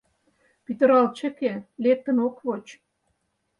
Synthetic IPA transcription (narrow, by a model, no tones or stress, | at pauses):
pit̪ə̆ɾɑlt͡ɕə̆kelek̚t̪ə̆nokβot͡ɕ